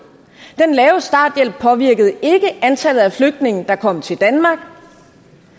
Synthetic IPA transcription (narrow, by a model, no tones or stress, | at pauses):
d̥enlɛːʊsd̥ɑ̰̈ːd̥jel̰b̥̚pʰɒ̽ʋiɐ̰ɡ̥əð̞̩ˠe̝ɡ̥əʔænt͡sʰæl̰ð̩ˠæfløɡ̥̚d̥ne̝ŋ̰n̩d̥ɑ̈kʰɒ̽m̰t͡sʰe̝ld̥ænmɑ̈ɡ̥̚